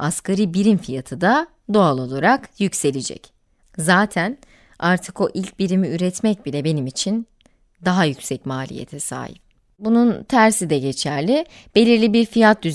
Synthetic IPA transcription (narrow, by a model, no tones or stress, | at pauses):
askaɾibiɾimfijat̪ʰɯd̪a | d̪o̞alˠo̞lˠaɾakjycse̞lʲed͡ʒɛ̰c | zaːt̪ʰæn | aɾt̪ʰɯko̞ʔilʲc̚biɾimiyɾɛt̪mɛc̚bilʲɛbe̞nimit͡ʃʰin | d̪aɦajycʲsɛcmaːlʲḭjḛt̪ʰɛsa̰ːjḭp̚ | bununt̪ʰæɾsid̪ɛɟe̞t͡ʃʰæɾlʲɪ | b̥e̞lʲiɾlʲibiɾfijat̪̚d̪yz